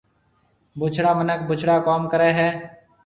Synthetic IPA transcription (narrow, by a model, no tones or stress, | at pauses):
bʊt͡ʃʰɽaːmənək̚bʊt͡ʃʰɽaːkoːmkəɾeːɦɛː